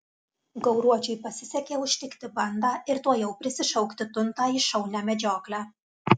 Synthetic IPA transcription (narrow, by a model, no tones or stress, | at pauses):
ɡɐʊɾuɔt͡ʃʲɛɪpɐsʲɪsʲɛkʲeːʊʃʲt̪ʲɪkt̪ʲɪbɐnd̪ɑːʔɪɾt̪uɔjɛʊpʲɾʲɪsʲɪʃɐʊkt̪ʲɪt̪ʊnt̪ɑːiʃɐʊlʲnʲæːmʲɛd͡ʒʲoːklʲæ